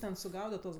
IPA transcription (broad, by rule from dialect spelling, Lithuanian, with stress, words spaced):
ˈtʲɛn sʊˈɡɐʊdɐt tuɔs